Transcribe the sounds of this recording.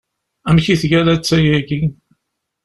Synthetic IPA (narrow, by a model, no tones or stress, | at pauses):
æmçiθʝælæt͡sːæjæɡi